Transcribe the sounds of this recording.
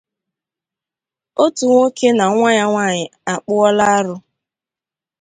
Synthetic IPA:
o˦tu˨ŋʷo˦ke˦na˨˦ŋʷa˦ɲa˦ŋʷa˦˨ɲɪ˨a˨k͡pʊ˦ɔ˦la˦a˦ɾʊ˦

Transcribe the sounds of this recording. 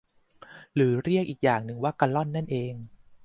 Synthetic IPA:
ɾɯː˩˦ɾi˥˩ək̚ʔiː˨˩k̚jaː˨˩ŋnɯ˧ŋwaː˥˩ka˧lɔ˥˩nːa˥˩nʔeː˧ŋ

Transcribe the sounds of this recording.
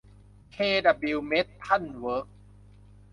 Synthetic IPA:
kʰeː˧da˨˧˩bi˧wme˦˥t̪̚pʰːa˥˩˨nwɤː˦˥k̚

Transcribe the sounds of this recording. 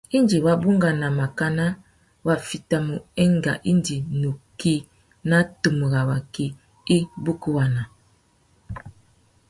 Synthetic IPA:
i˦nd͡ʒi˨wa˦bu˦ŋɡa˨na˨ma˨ka˦na˦ | wa˨fi˨ta˨mu˨ɛ˦ŋɡa̰˨ʔi˦ndi˨nu˨ki˦ | na˦tu˨mu˨ɣa˨wa˨ki˦ | i˦bu˦ku˦wa˨na˨

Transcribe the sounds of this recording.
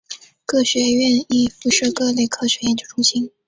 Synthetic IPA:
kʰɤ˥˩ɕɥɛ˧˥ɥɛ˥˧ni˥˩fu˧˥ʂ̩˥˧kɤ˥˧le˥˩ɪkʰɤ˥˩ɕɥɛ˧˥jɛ˧˥nt͡ɕjo˥ʊʈ͡ʂʰu˥˧ɕi˥ŋ

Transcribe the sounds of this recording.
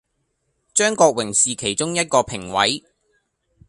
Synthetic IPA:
t͡ʃœː˥ŋkɔː˧k̚wɪ˨˩ŋsiː˨kʰe˨˩jt͡ʃʊ˥ŋjɐ˥t̚kɔː˧pʰɪ˨˩ŋwɐ̰˨˥j

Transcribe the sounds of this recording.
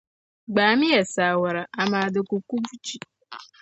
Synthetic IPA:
ɡ͡ba˨a˨mɪ˦je˨sa˨a˨wa˨ɾa˨a˨ma˨a˨dɪ˨ku˨ku˦bu˦t͡ʃi˨

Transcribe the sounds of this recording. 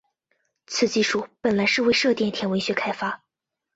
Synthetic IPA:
t͡sʰɹ̩˨˩t͡ɕi˥˩ʂu˥˩pə˨˩nla˧˥ɪʂɻ̩˥˧we˥˧ɪʂɤ˥˧t̪jɛ˥˩nt̪ʰjɛ˧˥nwe˧˥ɕɥɛ˧˥kʰa˥ɪfa˥

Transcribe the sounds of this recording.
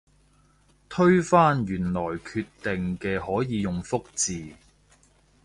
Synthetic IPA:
t̪ʰɵ˥ɥfaː˥njyː˨˩nlɔː˨˩jkʰyː˧t̪ːe˨ŋkɛː˧hɔː˨˥jiː˨˧jʊ˨ŋfʊ˥k̚t͡siː˨

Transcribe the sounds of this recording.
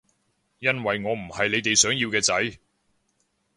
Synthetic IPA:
jɐ˥nwɐ˨jŋɔː˨˧m̩˨˩hɐ˨jle˨˧jt̪e˨jsœː˨˥ŋji˧wkɛː˧t͡sɐ˨˥j

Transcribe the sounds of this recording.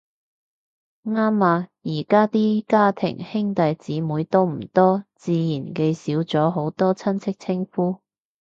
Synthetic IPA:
ŋaː˥mːaː˧jiː˨˩kaː˥t̪iː˥kaː˥t̪ʰɪ̰˨˩ŋhɪ˥ŋt̪ɐ˨jt͡siː˨˥muː˨˧˥jt̪o˥wm̩˨˩t̪ɔː˥t͡siː˧jiː˨˩nke˧jsiː˨˥wt͡sɔː˨˥ɦo˨˥wt̪ɔː˥t͡sʰɐ˥nt͡sʰɪ˥k̚t͡sʰɪ˥ŋfuː˥

